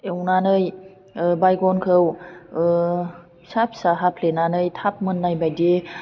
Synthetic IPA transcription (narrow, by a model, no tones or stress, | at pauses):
ewnanɯj | bajɡɔnkʰɯw | sapʰi̥saɦapʰlenanɯjtʰap̚mɯnːajbajde